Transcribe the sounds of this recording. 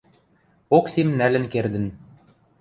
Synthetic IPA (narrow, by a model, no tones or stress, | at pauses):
oksimnælɘ̆nkerd̪ɘ̆n